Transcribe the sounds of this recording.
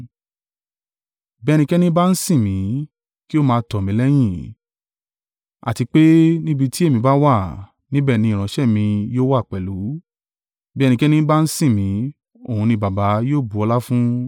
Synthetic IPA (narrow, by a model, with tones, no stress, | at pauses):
bɛː˦˧nĩ˧kɛ˦nĩ˦ba˦n̩˦sĩ˦˨mĩ˨˦ | ki˦o˦˨mãː˧tɔ˨mĩ˨˦lɛ˦j̃ĩ˦˨ | a̰˨ti˧k͡pe˦nĩ˦bi˧ti˦e˦˨mĩ˧ba˦wa˦˨ | nĩ˦bɛ˦˨nĩ˧˨˦ɾ̃ã˨˧˦ʃɛ˦˨mĩ˧joː˦wa˦˨k͡pɛ˨lu˨˦ | bɛː˦˧nĩ˧kɛ˦nĩ˦n̩˦ba˦n̩˦sĩ˦˨mĩ˨˦ | o˦˨hũ˧nĩ˧ba˨ba˨˦joː˦˨bu˨˦ɔ˧la˦fũ˦